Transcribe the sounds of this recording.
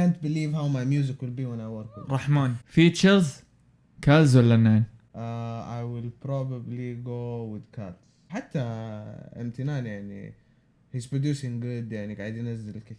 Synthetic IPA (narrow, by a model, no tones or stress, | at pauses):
kant̪bɪliːvɦawmajmjuːzɪkwɪlbiːwɪnajwaɾkɾˤɑħmaːnfiːt͡ʃəɾz | kazwalːanːaːn | ʔaʔajwɪlpɾoːbabliɡoːwɪðkʰat̪ | ħat̪ːaʔɪ̰mt̪ɪnaːnjaʕnḭ | hizpɾod̪juːsɪ̃ŋɡʊd̪jaʕniɡaʕɪd̪jɪnazːɪlɪlkɪ